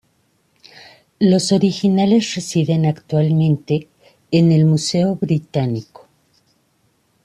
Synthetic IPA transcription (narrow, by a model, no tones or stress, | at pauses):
lo̞so̞ɾixinale̞sre̞siðe̞nakt̪walmẽ̞nt̪e̞ː | ne̞lmuse̞o̞βɾit̪aniko̥